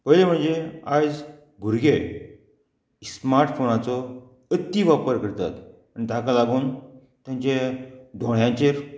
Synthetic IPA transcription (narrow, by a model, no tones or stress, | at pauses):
pəɦlem̤əɳd͡zead͡z | ɡʱuɾɡe | smaɾʈfonat͡sɔ | ət̪ːiʋapəɾkəɾt̪a̰t̪ | añit̪akalaɡuːn | t̪jãɲt͡ɕẽd̪ʱõɽjãt͡ɕeɾ